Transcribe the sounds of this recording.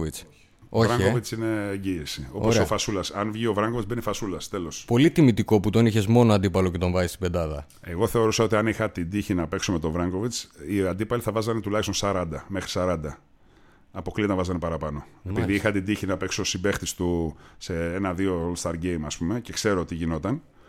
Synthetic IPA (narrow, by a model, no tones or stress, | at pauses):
vit͡s | ovɾaɐŋkovit͡sine̞ːɲɟiːsio̞posofɐsulɐsɐnvʝio̞vɾɐŋɡovit͡sbenefɐsulɐst̪e̞lo̞spo̞lit̪imit̪iko̞put̪o̞niçezmo̞noɐnd̪ipɐlo̞ce̞t̪o̞ɱvɐzist̪ibed̪ɐðɐ̰ | e̞ɣo̞θe̞o̞ɾusɐo̞t̪iɐnixɐt̪ind̪içinɐpe̞ksomet̪o̞vɾɐŋɡo̞vit͡siɐnd̪ipɐliθɐvɐzɐnet̪ulɐçst̪o̞nsɐɾɐnd̪ɐme̞xɾi̥sɐɾɐnd̪ɐ | ɐpo̞klit̪ɐvɐzɐnepɐɾɐpɐno̞epiðiixɐt̪ind̪içinɐpe̞kso̞sibe̞xt̪ist̪useenɐðiolst̪ɐɾɟe̞jmɐspume̞ce̞kse̞ɾoot̪iʝino̞t̪ɐn